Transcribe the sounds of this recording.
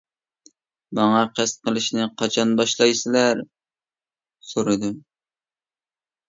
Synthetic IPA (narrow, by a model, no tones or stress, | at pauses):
mɑŋɑqʰæst̪̚qəlˠɨʃnɪqʰɑt͡ʃʰɑnbɑʃlˠɑjsɪlæɾ | soɾɨd̪ʊ